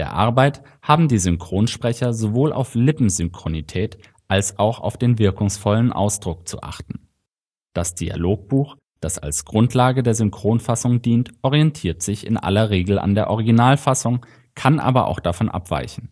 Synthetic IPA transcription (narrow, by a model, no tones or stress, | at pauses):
deːɐʔa̰ɐbaɪt | haːbm̩diːzʏŋkʁ̥oːnʃpʁ̥ɛçɐzovoːlʔa̰ʊflɪpm̩zʏŋkʁ̥onitʰɛːt | ʔalsaʊxa̰ʊfd̥eːnvɪɐkʊŋsfɔlənʔa̰ʊsd̥ʁʊk̚t͡sṵʔa̰χtn̩ | d̥asd̥ia̰loːk̚b̥uːx | d̥asa̰lsɡ̥ʁʊntʰlaːɡədeːɐzʏŋkʁ̥oːnfasʊŋdiːntʔɔʁiɛntʰiːɐtz̥ɪçɪ̰nʔa̰lɐʁeːɡl̩ʔa̰ndeːɐʔɔʁ̞ɪɡinaːlfasʊŋ | kʰanʔa̰ːbɐʔa̰ʊxd̥afɔnʔa̰pv̥a̰ɪçn̩